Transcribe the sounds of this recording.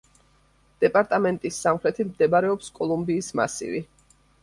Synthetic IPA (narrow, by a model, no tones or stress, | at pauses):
d̪̥ɛpʼaɾt̪ʼamɛnt̪ʼisːamχɾɛt̪ʰimd̪ɛbaɾɛɔpskʼɔlˠumbiːsma̰sḭvi